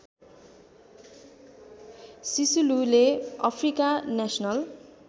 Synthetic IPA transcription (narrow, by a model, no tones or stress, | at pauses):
sisululeʌpʰrikanasʌnʌl